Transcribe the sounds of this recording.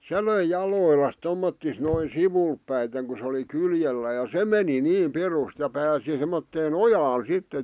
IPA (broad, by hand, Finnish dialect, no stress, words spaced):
se løi jɑloˑilːɑs tomːotːis noi siʋulp pæiteŋ ku sĕ oli kyljelːæː jɑ se meni niː pirust jɑ pæːsi semːotːeːn ojɑːn sitːe